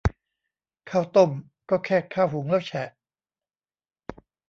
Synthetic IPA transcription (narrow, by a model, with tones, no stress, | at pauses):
kʰaː˥˩wt̪o˥˩m | kɔː˥˩kʰɛː˥˩kʰaː˥˩whu˩˦ŋlɛː˥˩wt͡ɕʰɛ˨˩ʔ